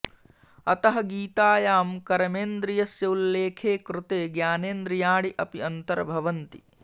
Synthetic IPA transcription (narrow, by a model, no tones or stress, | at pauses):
ɐt̪ɐɦɐɡiːt̪aːjaːmkɐɾɐmeːnd̪ɾijɐsjɐulːeːkʰeːkɾʊt̪eːɡjaːneːnd̪ɾijaːɽiʔɐpiɐnt̪ɐɾɐbʱɐʋɐnt̪ḭ